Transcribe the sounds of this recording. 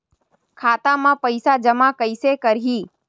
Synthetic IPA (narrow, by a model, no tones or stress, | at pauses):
kʰaːt̪amãpəɪsad͡ʒəmakəɪsekəɾɦiː